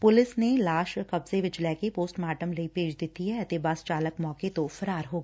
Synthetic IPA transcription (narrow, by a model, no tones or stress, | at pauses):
pʊlɪsnelaːʃkɐbzeʋɪd͡ʒlɛːkepoːsʈmaːʈəmlɐipeːd͡ʒd̪ɪt̪iɦɛt̪ebaːst͡ʃaːləkmɔːket̪ofɐɾaːɾɦoːɡaː